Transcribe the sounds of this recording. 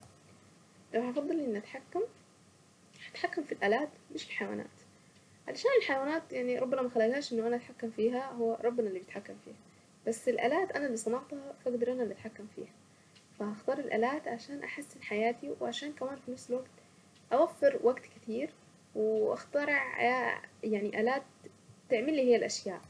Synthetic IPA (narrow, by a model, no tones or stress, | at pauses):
lawhɑfɑd̪ˤːɑlʔɪnːʔat̪ħakːam | hḁt̪ħakːamfilʔaːlaːt̪mɪʃfi̥ħajawa̰ːna̰ːt̪ | ʕalaʃaːnɪlħajawaːnaːt̪jaʕniɾˤɑbːamamaxalːaɡhaːʃʔɪnːʊʔanaʔat̪ħakːamfiːɦaɦʊwːaɾˤɑbːɪnalːibjt̪ħakːamfḭːha | b̥asːɪlʔa̰ːlaːt̪ʔanalːisˤɑnɑʕt̪hɑfʔaɡd̪ɑɾˤʔananʔat̪ħakːamfḭːha | fahaxt̪ɑːɾˤɪlʔa̰ːlaːt̪ʕaʃaːnʔaħasːɪnħajaːt̪iwʕaʃaːnkamaːnfinafsɪlwaɡt̪ | ʔawafːɪɾwaɡt̪kɪt̪iːɾ | wɪʔa̰xt̪ɑɾˤɪʕa̰aːjaʕniʔaːlaːt̪ː | ɪʕmɪlːiːhɪjːalʔaʃjaːʔ